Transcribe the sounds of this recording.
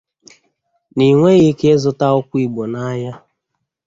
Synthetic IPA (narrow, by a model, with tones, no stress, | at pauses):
ni˨ŋʷe˦ɣe˦ke˦e˦zʊ˦ta˦ʊ˦kʷʊ˦i˦ɡ͡bo˨na˦ja˦